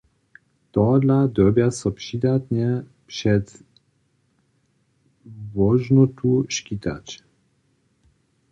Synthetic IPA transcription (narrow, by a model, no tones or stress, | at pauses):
t̪ɔd̪lad̪ɔbjasɔpʂid̪at̪ɲɛ | pʃɛt̪ | vɔʒnɔt̪uʃkit̪a̰t͡ʃ